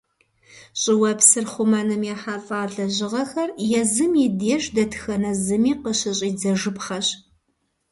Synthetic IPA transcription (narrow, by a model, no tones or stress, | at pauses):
ɕʼɪwɐpsɨrχʷumɐnɨmjɛħafʼaːɮɐʑɪʁɐxɐrjɛzɨmjɪdeːʃdɐtʰxɐnɐzɨmiːqəɕɪɕʼiːd͡zɐʒɨpχɐɕ